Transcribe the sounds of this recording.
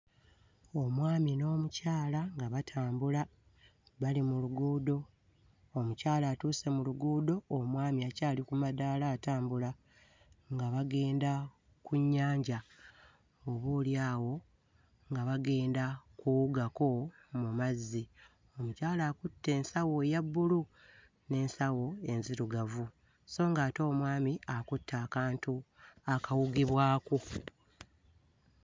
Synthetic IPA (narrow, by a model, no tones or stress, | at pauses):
o̞mwaːmino̞ːmucaːlaŋɡaβatʰaːmbula | βalimuluɡuːdo̞ | omucaːlaːtuːse̞muluɡuːdo̞ːmwaːmiacaːlikumadaːlaːtaːmbula | ŋɡaβaɡe̞ːnda | kuɲːaːɲɟa | oβuːljaːwo̞ | ŋɡaβaɡe̞ːndakuwuɡako̞ | mumazːi | omucaːlaːkutːe̞ːnsawo̞jabːulu | ne̞ːnsawo̞e̞nziɾuɡavu | so̞ːŋɡaːto̞ːmwaːmiakutːaːkaːntuakawuɡiβwaːko